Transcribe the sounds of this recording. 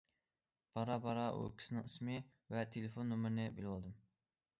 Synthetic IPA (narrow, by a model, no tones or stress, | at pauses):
b̥ɑɾɑbɑɾɑʔṵkʲʰi̥sɨnɨŋɨsmɨ | vɛt̪ʰelefonːumɾnɪbilɑlˠd̪ɨm